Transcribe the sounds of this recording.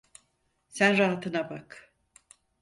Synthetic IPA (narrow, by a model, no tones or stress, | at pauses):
sænɾaɦat̪ʰɯnabak